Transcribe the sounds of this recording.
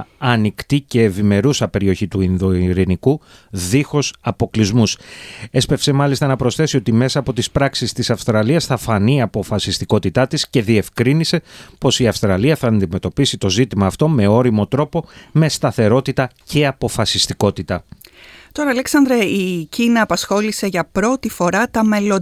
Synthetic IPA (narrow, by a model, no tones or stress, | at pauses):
ɐnikt̪ice̞ːvime̞ɾusɐpe̞ɾio̞çit̪uinðoiɾiniku | ðixo̞sɐpo̞klizmuse̞spe̞fse̞mɐlist̪ɐnɐpɾo̞sθe̞sio̞t̪ime̞sɐːpo̞t̪ispɾɐksist̪isɐfst̪ɾɐliɐsθɐfɐniɐpo̞fɐsist̪iko̞t̪it̪ɐt̪isce̞ðie̞fkɾinise̞po̞siɐfst̪ɾɐliɐθɐːnd̪ime̞t̪o̞pisit̪o̞zit̪imɐːft̪o̞me̞o̞ɾimo̞t̪ɾo̞po̞me̞st̪ɐθe̞ɾo̞t̪it̪ɐce̞ɐpo̞fɐsist̪iko̞t̪it̪ɐt̪o̞ɾɐɐleksɐnd̪ɾɐicinɐːpɐsxo̞lise̞ʝɐpɾo̞t̪ifo̞ɾɐt̪ɐme̞lo